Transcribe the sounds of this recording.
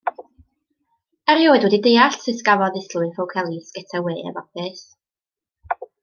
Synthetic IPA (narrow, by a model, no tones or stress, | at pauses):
ɛɾjoːɨdwɛdidejaɬsɨskavɔðɪslˠʊɨnfowkʰɛlˠisɡ̥ɛtʰaweːɛ̰vɔpʰɨs